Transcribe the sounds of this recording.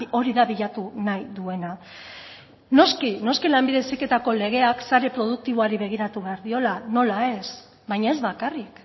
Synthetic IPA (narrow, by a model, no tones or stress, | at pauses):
o̞ɾiðaβiʎat̪unajðue̞na | no̞skino̞skilambiðe̞sike̞t̪ako̞le̞ɣ̞e̞aksaɾe̞pɾo̞ð̞uk̚t̪iβo̞aɾiβe̞ɣ̞iɾat̪uβe̞aɾðio̞lano̞lae̞s | bajɲae̞zβakarik